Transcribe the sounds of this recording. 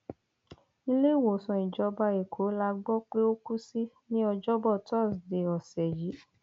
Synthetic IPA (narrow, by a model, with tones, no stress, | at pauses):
i˧le˦i˦˨wo˨sɔ̃˨i˨d͡ʒɔ˧˦ba˧e˨kʰo˨˦la˧ɡ͡bɔ˦k͡pe˦o˦ku˦si˦ | nĩ˦ɔ˧d͡ʒɔ˦bɔ˦˨tɔ˦˨sde˨ɔ˨sɛ˨ji˨˦